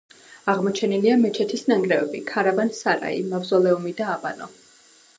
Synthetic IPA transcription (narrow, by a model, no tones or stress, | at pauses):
aʁmɔt͡ʃʰɛniliamɛt͡ʃʰɛt̪ʰisnaŋɡɾɛvɛbikʰaɾabansaɾa̰ḭmavzɔlɛumid̪aːbanɔ